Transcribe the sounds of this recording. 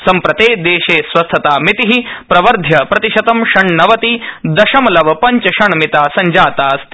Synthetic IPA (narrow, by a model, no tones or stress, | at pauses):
sɐmpɾɐt̪eːd̪eːʃeːsʋɐst̪ʰːɐt̪aːmit̪iɦipɾɐʋɐɾd̪ʱjɐpɾɐt̪iʃɐt̪ɐmʃɐɳnɐʋɐt̪id̪ɐʃɐmɐlɐʋɐpɐɲt͡ʃɐʃɐɳɐmit̪aːsɐɲd͡ʒaːt̪aːst̪